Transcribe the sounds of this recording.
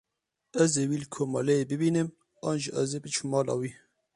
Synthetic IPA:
ɛzeːwiːlkʰoːmɑːlɛeːbɨbiːnɨm | ɑːnʒiʔɛzeːbɨt͡ʃʰumːɑːlɑ̰ːwiː

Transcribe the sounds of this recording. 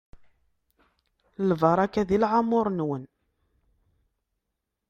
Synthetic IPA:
lvəɾˤækːæðilʕamʊɾˤnwən

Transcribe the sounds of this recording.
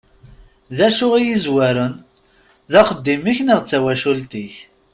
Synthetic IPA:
ðæʃʊʁijizwæɾən | ðæqəd̪ːimiçnəʁt͡sːæwæʃult̪iç

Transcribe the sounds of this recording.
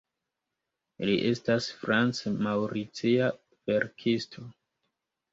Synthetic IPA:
liʔe̞stasfɾant͡smawɾit͡sia | veɾkʰistʰo̞

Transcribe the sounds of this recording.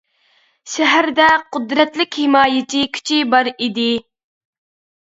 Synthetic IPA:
ʃɛɦæɾd̪ɛqʊd̪ɾɛt̪lɪkʲhɪmɑːjɪt͡ʃʰikʲʰy̥t͡ʃʰibɑɾid̪ɪ

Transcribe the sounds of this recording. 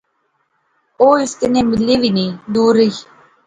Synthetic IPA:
oːɪsk̪ənẽːmɪleːʋiːnẽːd̪uːɾəi

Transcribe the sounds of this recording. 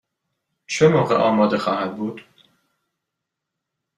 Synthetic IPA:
t͡ʃʰemoːʁḛʔɒːmɒːd̪exɒːhæd̪̚buːd̪̥

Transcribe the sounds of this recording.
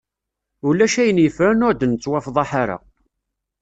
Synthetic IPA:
ulːæʃæjənjəfɾænʊɾd̪nt͡sˤːwɑfðˤɑħaɾa̰

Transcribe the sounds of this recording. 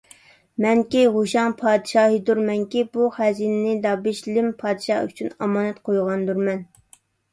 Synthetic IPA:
mɛŋkʲiʁuʃɑŋpʰɑːd̪ɨʃɑːɦid̪uɾmɛŋkʲibuχæzinɪnɪd̪ɑbɪʃlɪmpʰɑːd̪ɨʃɑ̰y̰t͡ʃʰynɑmɑːnɛt̪qʰojʁɑnd̪uɾmɛn

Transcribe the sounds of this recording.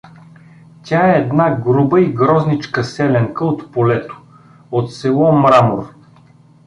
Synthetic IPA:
tʲaɛːd̪naɡɾubəiɡɾɔznit͡ʃkəsɛlɛŋkəot̪polɛt̪o̥ | ot̪sɛlˠɔmɾamoɾ

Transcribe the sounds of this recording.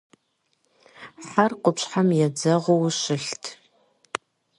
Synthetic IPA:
ħarqʷʊpɕħamjɛd͡zɐʁʷowʃɪɬtʰ

